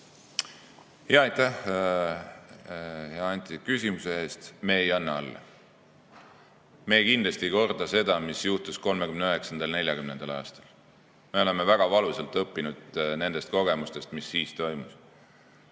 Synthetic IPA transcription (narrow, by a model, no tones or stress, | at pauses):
heɑɑjt̪æh | jɑɑnʲt̪ʲˑid̪̥̚kysʲimusee̞ːst̪me̞ːjɑnːɑɑlːɑ̰ | me̞ːkind̪lɑst̪iko̞rd̪̥ɑse̞d̪̥ɑmisjuht̪usko̞lmekymneøɦe̞ksɑnd̪̥ɑlne̞lʲjɑkymne̞nd̪̥ɑlɑ̰ːst̪ɑl | me̞o̞le̞mevæɡ̥ɑvɑluselt̪ˑɤpːinud̪̥ne̞nd̪̥e̞st̪̚ko̞ɡ̥e̞must̪e̞st̪misːiːst̪o̞jmus